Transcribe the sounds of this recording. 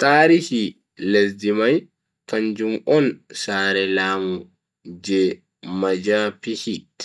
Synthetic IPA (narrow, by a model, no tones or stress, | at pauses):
taːɾihi | les̬dimaj | kaɲd͡ʒumɔnsaːɾɛlaːmu | d͡ʒɛ | mad͡ʒapihi